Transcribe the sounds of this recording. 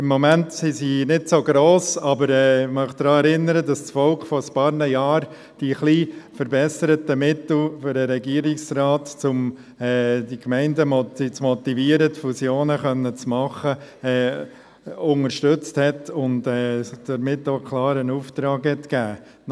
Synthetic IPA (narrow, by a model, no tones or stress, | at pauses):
ɪmːɔmæntsisinɪtsoɡɾoːsɑbəɾɛːmœχd̥̪ɾɑːɛɾɪnːəɾədɑst͡sfɔlkχfɔspɑːɾnəjɑːɾ | d̥iχliːfəɾbɛsəɾətəmɪtl̩føɾəɾɛɡiəɾɪksɾɑːtt͡sʊm | ɛːd̥ikmɛɪndəmɔtit͡smɔtiviːəɾətfusjoːnəχœnːət͡smɑχəɛː | ʊŋəɾʃtøt͡sthɛtʊntɛːd̥əɾmɪtːokʰlˠɑːɾənuːft̪ɾɑːɡhɛtkæː